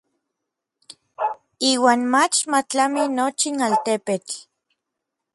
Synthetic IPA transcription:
iːwaːnmat͡ʃmat͡ɬaminot͡ʃinalt̪epet͡ɬ

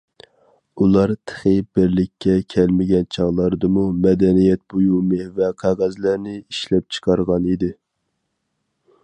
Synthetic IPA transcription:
ulˠɑɾt̪ʰə̥χəbɪɾlɪkʲːɛkʲʰɛlmɪɡʲɛnt͡ʃʰɑʁlˠɑɾd̪ɨmumɛd̪ɛnijɛt̪̚bujumɨvɛqʰɑʁɑzlæɾnɪiʃlɛp̚t͡ʃʰə̥qʰɑɾʁɑnid̪ɪ

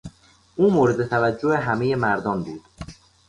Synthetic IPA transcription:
ʔuːmoːɾed̪e̞t̪ʰævæd͡ʒːoʔeɦæme̞je̞mæɾd̪ɒːnbuːd̪̥

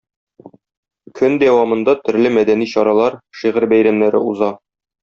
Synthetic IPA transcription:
kʰɵnd̪æwɑmɤ̆nd̪ɑt̪ɵ̆ɾlɘmæd̪æniɕɒɾɑlˠɑɾʃiʁɘɾbæjɾæmnæɾɘuzɑ

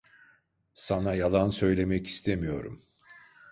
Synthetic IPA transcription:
sanajalˠansø̞jlʲe̞mɛci̥st̪ʰemijo̞ɾṵm

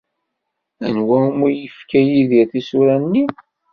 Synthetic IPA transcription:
ænwæmujəfkæjiðiɾθisuɾænːi

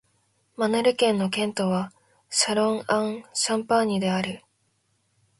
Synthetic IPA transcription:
manɯɾɯ̟kẽ̞nːo̞kẽ̞nt̪o̞βa | ɕaɾõ̞ŋãɰ̃ɕãmpãɲ̟ːid̪e̞aɾɯ

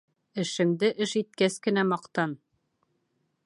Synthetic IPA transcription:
ɘ̆ʃɘ̆md̪ɘʔɘʃit̪̚kæskɘ̆næmɑqt̪ɑn

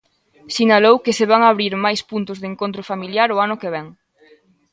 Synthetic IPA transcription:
sinalowkeseβaŋaβ̞ɾiɾmajspunt̪ʊzðeŋkont̪ɾʊfamiljaɾʊanʊkeβɛŋ

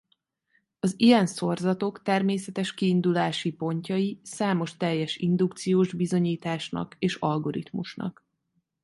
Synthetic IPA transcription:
ɒzijɛnso̞rzɒt̪o̞kt̪ɛrmeːsɛt̪ɛʃkiːnd̪ulaːʃipo̞ɲcɒjisaːmo̞ʃt̪ɛjːɛʃind̪ukt̪sijoːʒbizo̞ɲiːt̪aːʃnɒ̰keːʃɒlɡo̞ɾḭt̪muʃnɒ̰k

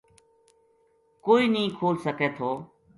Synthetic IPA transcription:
koːiːnəĩːkʰoːlsəkeːt̪ʰoː

